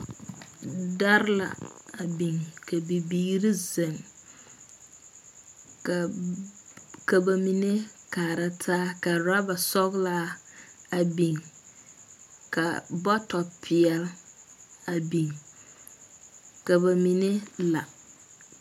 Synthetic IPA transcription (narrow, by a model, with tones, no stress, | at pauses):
da˦ɾla̰˨a˨bi˨ŋkʰa˨bi˨biː˦ɾi˦zɪ˨ŋ | ka˨ | ka˨ba˨mi˨ne˦kaː˨ɾa˦tʰaː˦ka˨ɾa˦ba˨sɔ˦ɡla˦ | a˨bi˨ŋ | ka˨bɔ˦tɔ˨pʰɪ˨ɛ˨l | a˨bi˨ŋ | ka˨ba˨mi˨ne˦la˨